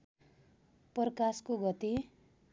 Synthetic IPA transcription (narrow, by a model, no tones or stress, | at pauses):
pʌrkaskoɡʌt̪i